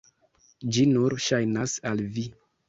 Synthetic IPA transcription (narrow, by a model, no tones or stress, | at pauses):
d͡ʒinuɾʃajnasalvi